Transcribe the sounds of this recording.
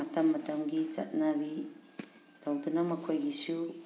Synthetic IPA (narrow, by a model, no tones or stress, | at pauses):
atamːatamɡit͡ʃa̰t̚nabi | tawdunamakʰojɡisu